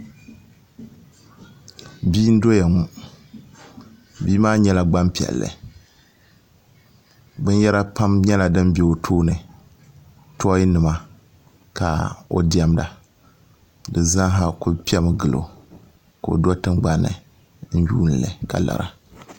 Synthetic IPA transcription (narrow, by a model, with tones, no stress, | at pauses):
biː˦n̩˦do˦ja˨ŋu˦ | biː˦maː˦ɲɛ˦la˨ɡ͡ba˦mpi˨ɛ̰˨lːɨ̰˨ | bɨ˦njɛ˦ɾa˦pa˦mɲɛ˦la˨dɨ˦mbɛ˨o˨tʰoː˦nɨ˨ | tɔ˦ji˦nɨ˨ma˦ | ka˨o̰˨di˦a˦mda̰˨ | dɨ˨zã˦ɦa˨kʊ˦pi˦ɛ˦mɨ˨ɡɨ˨lo̰˨ | ka˨o̰˨dɔ˦tɨ˦mɡ͡ba˦nːɨ̰˨ | n̩˦juː˦n̩˨lɨ̰˨ka̰˨la̰˨ɾa̰˨